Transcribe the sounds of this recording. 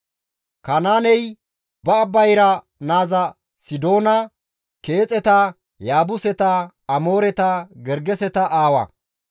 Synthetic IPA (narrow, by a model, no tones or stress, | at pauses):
kɐnaːnɛj | bɐːbːɐjɾɐ | naːzɐ | sɪd̪o̞ːnɐ | ke̞ːt͡sʼɛt̪ɐ | jaːbʊsɛt̪ɐː | mo̞ːɾɛt̪ɐɡɛɾɡɛsɛt̪ɐʔaːwɐ̰